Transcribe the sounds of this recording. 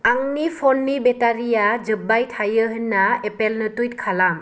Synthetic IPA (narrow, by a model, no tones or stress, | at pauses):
aŋnipʰɔnːibetaɾijad͡ʒɯb̚ːajtʰajɯɦɯnːaepelnɯtujt̚kʰalaŋ